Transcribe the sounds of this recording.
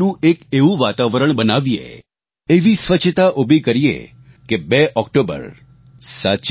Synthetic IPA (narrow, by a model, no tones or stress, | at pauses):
nũʔekeʋũʋat̪aʋəɾəɳbənaʋijḛ | eʋisʋət͡ʃʰt̪aʔobʱikəɾijḛ | kebɛʔɔkʈobə̰ɾ | sat͡ʃ